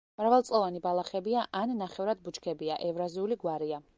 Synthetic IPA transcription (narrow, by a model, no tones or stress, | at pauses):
mɾavalˠtsʼlˠɔvanibalˠaχɛbiaʔanːaχɛvɾad̪̚but͡ʃʰkʰɛbiaʔɛvɾaziuliɡwaɾia